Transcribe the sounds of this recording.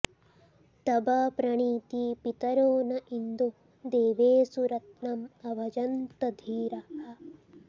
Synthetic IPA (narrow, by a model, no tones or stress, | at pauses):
t̪ɐbɐpɾɐɳiːt̪iːpit̪ɐɾoːnɐʔind̪o | d̪eːʋeːsuɾɐt̪nɐmɐbʱɐd͡ʒɐnt̪ɐd̪ʱiːɾɐɦɐ